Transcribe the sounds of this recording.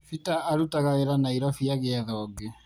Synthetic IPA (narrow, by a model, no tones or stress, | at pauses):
fitaʔːɾutaɣaɣeɾanaiɾɔfiaɣeaðɔːɡe